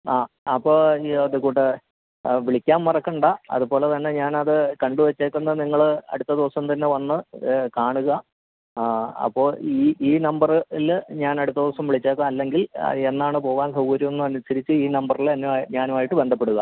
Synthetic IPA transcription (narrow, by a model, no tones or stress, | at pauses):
aː | ɐpːo̞ːɐðukuːʈːɨ | ʋiɭikʲːaːmmɐrɐkːɐɳɖaɐ̰ðupo̞ːle̞t̪ɐnːe̞ɲaːnɐðɨkɐɳɖuʋet͡ɕːeːkːunːɐniŋːɐɭɐ̰ɽut̪ːɐd̪iʋɐsɐmt̪ɐnːe̞ʋɐnːɨkaːɳuɣɐ | ɐ̰pːo̞ːiːiːnɐmbɐrɨilɲaːnɐɽut̪ːɐd̪iʋɐsɐmʋiɭit͡ɕːeːk̬ːaɐlːe̞ŋɡile̞nːaːɳɨpo̞ːɣaːnsɐwkɐɾjumenːuɐnusɐɾit͡ɕːɨiːnɐmbɐrilɐnːuɲaːnumaːjiʈːɨbe̞nd̪ʱɐpːe̞ɽuɣɐ